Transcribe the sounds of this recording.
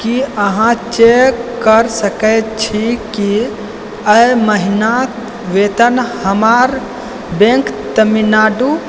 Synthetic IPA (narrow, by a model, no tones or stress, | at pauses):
kiəɦãt͡ʃekkəɾsəkət͡ʃʰiki | əjməɦinak | ʋet̪ənhəmaɾ | bẽŋkt̪əminaɖu